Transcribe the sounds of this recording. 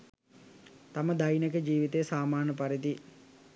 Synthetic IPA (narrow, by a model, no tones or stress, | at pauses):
t̪aməd̪ajnəkəd͡ʒiːʋit̪ejːsaːmaːrnəpaɾit̪i